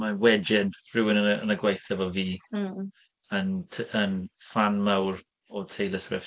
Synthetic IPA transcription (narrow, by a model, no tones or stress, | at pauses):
mawɛd͡ʒɪnrɪwɪnəə̰nəɡwajθɛvɔviː | əntʰənfanmawr | ɔtʰejləsrɪf